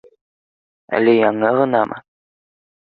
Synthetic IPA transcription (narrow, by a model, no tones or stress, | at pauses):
æ̰lɘjɑɴɤʁɤ̆nɑmʔɤ̰